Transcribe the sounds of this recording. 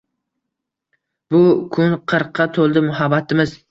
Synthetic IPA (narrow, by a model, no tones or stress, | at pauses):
bʊkʰʊnqʰɨɾqʰːɑt̪ʰolˠd̪ɪmʊɦabat̪ʰɪmɪz